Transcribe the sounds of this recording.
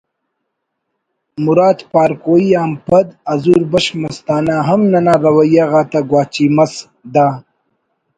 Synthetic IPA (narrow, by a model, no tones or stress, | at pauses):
muɾaːt̪paːɾkoːiaːmpɐd̪ɐzuɾbɐɕmɐst̪aːnaːɦɐmnɐnaːɾɐwɐjaɣaːt̪aɡwaːt͡ʃimɐs | d̪aː